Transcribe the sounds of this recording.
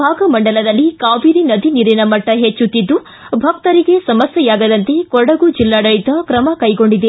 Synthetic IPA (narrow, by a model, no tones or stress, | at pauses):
bʱaːɡɐmɐɳɖɐlɐd̪ɐlːikaːʋiːɾinɐd̪ʱiniɾinɐmɐʈːɐɦet͡ʃːut̪ːid̪ːu | bʱɐk̚t̪ɐɾiɡe̞sɐmɐsjɐjaːɡɐd̪ɐnt̪e̞kɔɽɐɡud͡ʒilːaːɽɐɭit̪ɐkɾɐmɐkɐjɡo̞ɳɖid̪e